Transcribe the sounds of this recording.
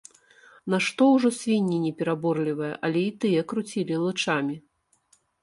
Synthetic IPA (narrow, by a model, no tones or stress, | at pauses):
naʂt̪ɔwʐɔsʲvʲinʲːinʲɛpʲɛɾabɔrlʲivɐjɐ̰ʔɐlʲɛit̪ɨjɐkɾut͡sʲilʲilˠɨt͡ʂamʲi